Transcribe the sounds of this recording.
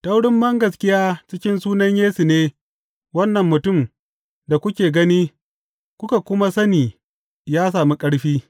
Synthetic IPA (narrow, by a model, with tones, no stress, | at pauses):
ta˦wɽɪ˦mbɐ˦ŋɡɐ˨skʲɪ˦jaː˦t͡ʃɪ˦kʲɪ˦nsuː˦nɐ˦ɲjeː˦su˨neː˦ | wɐ˦nːɐ˨mːʊ˨tʊ˦˨m | da˨kʷʊ˦kʲeː˨ɡɐ˦niː˦ | kʷʊ˦ka˨kʷʊ˦ma˦sɐ˦niː˨ | jaː˦s̬aː˨mi˦kʼɐ˦ɽɸiː˦